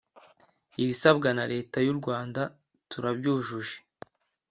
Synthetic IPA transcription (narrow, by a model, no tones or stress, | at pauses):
iβisabɡanaɾe̞ːtajuɾɡwaːnda | tuɾabɟuːʒuʒe̥